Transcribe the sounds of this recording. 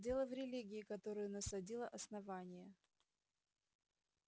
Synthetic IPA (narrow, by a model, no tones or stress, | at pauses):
dʲe̞lˠəvɾʲɪlʲiɡʲɪɪkɐt̪o̞ɾɨjʊnəsɐdʲilˠəʔɐsnɐvanʲɪjə